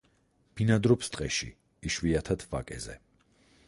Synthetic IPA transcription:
b̥inad̪ɾɔpst̪ʼqʼɛʃḭː | ʃwiat̪ʰat̪ʰva̰kʼɛzɛ̰

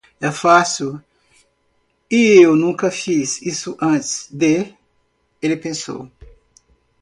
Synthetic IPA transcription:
ɛfasuw | iewnũkɐfisisʊʔɐ̃t̪ɪ̥sd̪e | elɪpẽso̰w

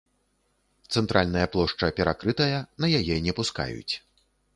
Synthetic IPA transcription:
t̪sɛnt̪ɾʔalʲnɐjɐplˠɔʂt͡ʂɐpʲɛɾa̰kɾɨt̪ɐjɐnɐjajɛnʲɛpuska̰jṵt͡sʲ

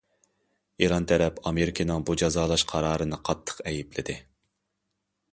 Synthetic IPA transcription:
iɾɑnt̪ʰɛɾɛpʰɑmeɾikʰʲinɨŋbud͡ʒɑzɑːlˠɑʃqʰɑɾɑːɾɨnɨqʰɑt̪ʰːə̥qɛjiplɪd̪ɪ

